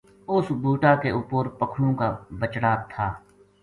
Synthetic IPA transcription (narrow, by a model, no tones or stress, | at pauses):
ʊsbuːʈakeʊpoːɾpəkʰɽõːkabət͡ʃɽaːt̪ʰaː